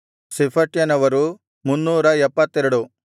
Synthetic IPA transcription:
sipʰɐʈjɐnɐʋɐɾu | munːuːɾɐɛpːɐt̪ːeɾuɽu

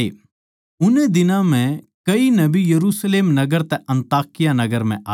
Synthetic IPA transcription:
e | ʊnẽd̪ɪnãmɛ̃ | kɐinɐbijɐɾuːsleːmnɐɡəɾt̪ɛʔɐ̃nt̪aːkɪjanɐɡəɾm̤ɛ̃ʔaː

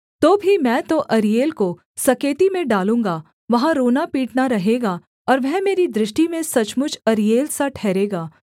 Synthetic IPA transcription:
t̪oːbʱimɛ̃ːt̪oʔɐɾijeːlko | sɐkeːt̪imẽɖaːlũːŋ̆ɡaː | ʋɐɦãɾoːnapiːʈnaɾɐɦeːɡaː | ɔːɾʋɛɦmeːɾid̪ɾɪʃʈimẽsɐt͡ʃmʊt͡ʃʰɐɾijeːlsaʈʰɛːɾeːɡaː

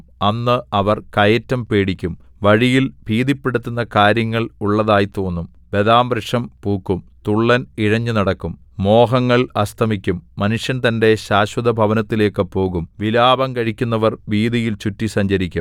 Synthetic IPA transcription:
ɐnːɨɐʋɐrkɐjɐtːɐmpe̞ːɽikʲːum | ʋɐɻijilbʱiːðipːe̞ɽut̪ːunːɐkaːɾjɐŋːɐɭuɭːɐðaːjit̪o̞ːnːum | be̞ðaːmbrɐʂɐmpuːkːumt̪uɭːɐniɻɐɲːunɐɽɐkːumː | o̞ːɦɐŋːɐɭɐst̪ʰɐmikʲːumːɐnuʂjɐnt̪ɐnde̞ɕaːɕwɐðɐbʱɐʋɐnɐt̪ːile̞ːkːɨpo̞ːɣumʋilaːbɐŋkɐɻikʲːunːɐʋɐrʋiːðijilt͡ɕutːisɐɲd͡ʑɐɾikʲːum

